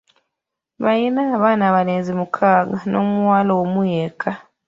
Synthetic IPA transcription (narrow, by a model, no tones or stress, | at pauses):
βajinaːβaːnaːβaleːnzimukʰaːɡanʔo̰ːmuwaːloomujekʰa